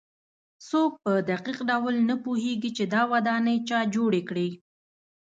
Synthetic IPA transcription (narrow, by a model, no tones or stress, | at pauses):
sok̚pəd̪aqiqɖawlnapuheɡit͡ʃed̪ɑwad̪ɑnəjt͡ʃɑd͡ʒoɽekɽi